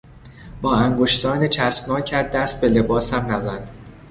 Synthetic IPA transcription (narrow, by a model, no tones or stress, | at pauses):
b̥ɒːæŋɡoʃt̪ʰɒːnet͡ʃʰæsbnɒːcʰæd̪d̪ːæst̪̚bele̞bɒːsæmnæzæn